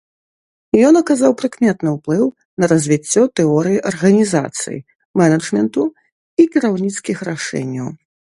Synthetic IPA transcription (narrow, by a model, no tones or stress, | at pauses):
jɔnɐkazawpɾɨkmʲɛt̪nɨwplˠɨw | nɐɾɐzʲvʲit͡sʲːɔt̪ɛɔɾɨjiʔɐrɣɐnʲiza̰t̪sɨ̰jḭ | mɛnɐʐmʲɛnt̪u | ikʲiɾawnʲit̪skʲixraʂɛ̰nʲːɐw